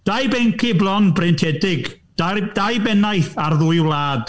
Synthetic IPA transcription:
d̥ajbɛŋkʰɪblˠɔnbrɪntʰɛdɪɡ̥ | adajbɛnajθarðʊɨwlˠaːd̥

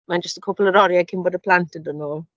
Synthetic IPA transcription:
mand͡ʒəstə̥kʰopʰlˠəɾɔɾjakʰɪmbɔːdəpʰlantɪndonoː

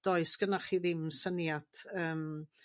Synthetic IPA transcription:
d̥ɔɨsɡ̥ənaχiːðɪmsənjatəːm

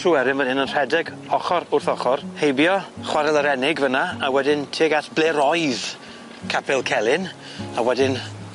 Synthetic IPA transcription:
tʰruːɛɾɪnvənɪnənr̥ɛdɛɡ | ɔχɔɾʊrθɔχɔrhejbjɔχwaɾɛlˠəɾɛnɪɡvənaawɛdɪntʰiːɡaɬb̥leːɾɔjð̥ | kʰapʰɪlˠkʰɛlˠɪn | awɛdɪn

